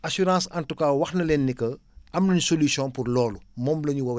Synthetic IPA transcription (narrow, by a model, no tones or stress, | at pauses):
ɐsuɾãːsɐntukaːwɐxnɐlɛnːikɐɐmlɐɲsolisjɔ̃npurlɔːlumɔːmlɐɲuwɐw